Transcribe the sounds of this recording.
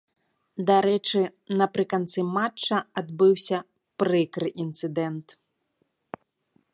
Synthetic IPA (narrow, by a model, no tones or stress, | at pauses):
d̪aɾɛt͡ʂɨnɐpɾɨkant̪sɨmat͡ʂːɐad̪bɨwsʲɐ | pɾɨkɾɨʔint̪sɨd̪ɛnt̪